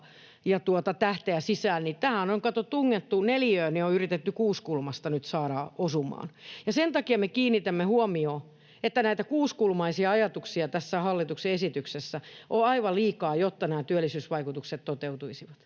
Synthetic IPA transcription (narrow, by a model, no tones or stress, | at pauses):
jɑt̪uot̪ɑt̪æht̪eæsisæːlnit̪æhænoŋkɑt̪ot̪uŋːet̪ːuneljøːnioyrit̪et̪ːykuːskulmɑst̪ɑnyt̪sɑːɾɑosumɑ̰ːnjɑsent̪ɑkiɑmekiːnːit̪æmːehuomioː | et̪ːænæit̪ækuːskulmɑisiɑɑjɑt̪uksiɑt̪æsːæhɑlːit̪ukseesit̪yksesːæʔoɑiʋɑliːkɑːjot̪ːɑnæːt̪yælːisyːsʋɑikut̪ukset̪t̪ot̪eut̪uisiʋɑt̪